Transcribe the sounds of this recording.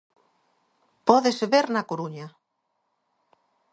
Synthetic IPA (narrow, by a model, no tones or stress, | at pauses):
pɔðeseβeɾnakoɾuɲa